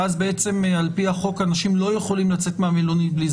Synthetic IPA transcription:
azbeet͡se̞malpiaχo̞kanaʃimlo̞je̞χo̞limlat͡se̞t̪meamelunibliz

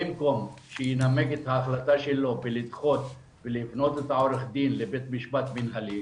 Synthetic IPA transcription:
imkomʃinɐmekit̪ʰaːxlɐt̪ɐʃilːopilit̪xot̪ | pilifnot̪ut̪aːwɾixd̪iːnlebet̪miʃmɐt̪minɦɐli

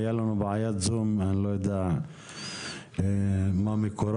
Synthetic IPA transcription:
jalanubʕajat̪zumanlojad̪aʕ | mamekoɾˤ

